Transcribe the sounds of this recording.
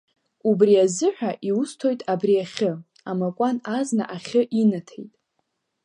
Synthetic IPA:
ubriazɨħʷᶣaʔiustʰo̞jtʼabriaχʲɨ | amakʷʼanazna̰ʔaχʲɨʔinatʰḛjtʼ

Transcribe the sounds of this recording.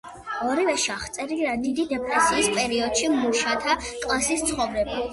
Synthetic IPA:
ɔɾivɛʃiaχt̪sʼɛɾiɾad̪id̪id̪ɛpʼɾɛsiːspʼɛɾiɔd̪̥ʃimuʃat̪ʰakʼlˠasist̪sʰχɔvɾɛba

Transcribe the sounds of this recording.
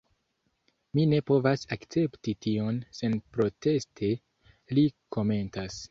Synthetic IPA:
mine̞po̞vasakt͡se̞ptitio̞nse̞npɾo̞te̞stʰe̞ | liko̞me̞ntas

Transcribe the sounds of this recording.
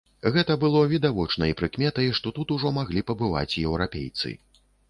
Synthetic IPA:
ɣɛt̪ɐbɨlˠɔvʲid̪avɔt͡ʂnɐjipɾɨkmʲɛt̪ɐjiʂt̪ɔt̪ut̪uʐɔmaɣlʲipɐbɨva̰t͡sʲjɛwɾapʲḛjt̪sɨ̰

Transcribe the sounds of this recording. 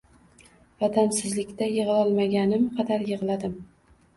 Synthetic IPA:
vad̪amsɪzlɪkʲt̪ajɨʁɨlɒlˠmaɡʲanɪmqʰɑd̪aɾjɨʁlad̪ɪm

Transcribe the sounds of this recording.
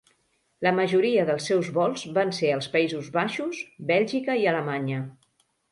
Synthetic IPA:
ləməʒuɾiəðəlˠsːɛwzβɔlˠzβanseəlˠspəizuzβaʃuzbɛlʲʒikəiələmaɲə

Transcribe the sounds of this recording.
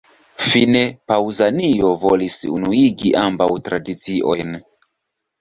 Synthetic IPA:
fine̞pawzanio̞volisṵnuiɡiʔambawtɾadit͡siʔo̞̰jn

